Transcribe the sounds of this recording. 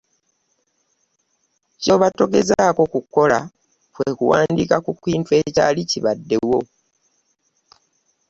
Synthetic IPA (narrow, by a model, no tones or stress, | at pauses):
co̞βato̞ɡe̞zaːko̞kukːo̞la | fwekuwaːndikakukwiːntwe̞ca̰liciβadːe̞wo̞